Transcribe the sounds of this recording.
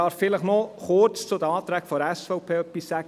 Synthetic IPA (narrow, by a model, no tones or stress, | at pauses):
ɑːɾffɪləχnoχʊɾt͡st͡sʊd̥̪əɑːt̪ɾæːɡfɔɾæsfɔʊpʰeːœpːisːæ